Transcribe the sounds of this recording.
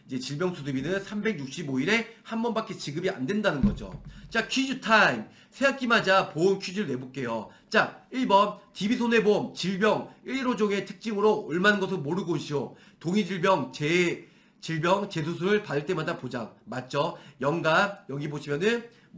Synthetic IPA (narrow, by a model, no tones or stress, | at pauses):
id͡ʑe̞t͡ɕiɭbjʌŋsʰudɯbinɯnsʰambe̞ɡjuk̚ɕ͈iboiɾe̞hambʌnbakʰet͡ɕiɡɯbia̰nde̞ndanɯnɡʌd͡ʑo̰t͡ɕakʰid͡ʑutʰaim | sʰe̞ak͈imad͡ʑapoɯnkʰud͡ʑuɭne̞bok͈e̞jo | t͡ɕ͈ak̚iɭbʌntibisʰone̞bomt͡ɕiɭbjʌŋiɾiɾod͡ʑoŋe̞tʰɯ̥k̚t͡ɕ͈iŋɯɾoɯɭmanɯnŋɡʌs̬ʰɯɭmoɾɯɡoiɕʰio | toŋid͡ʑiɭbjʌŋt͡ɕe | t͡ɕiɭbjʌŋt͡ɕe̞s̬ʰus̬ʰuɾɯɭpadɯɭt͈e̞madapod͡ʑaŋmat̚t͡ɕ͈ʌjʌŋɡajʌɡiboɕʰimjʌnɯn